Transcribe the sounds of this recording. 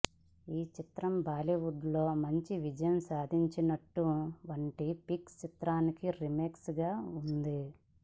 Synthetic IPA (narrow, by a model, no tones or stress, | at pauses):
iːt͡ʃit̪ɾɐmbaːliʋuɖlo̞ːmɐɲt͡ʃiʋid͡ʒɐjɐmsaːd̪ʱiɲt͡ʃinɐʈːuʋɐɳʈipikst͡ʃit̪ɾaːnikiɾimeːksɡaːund̪i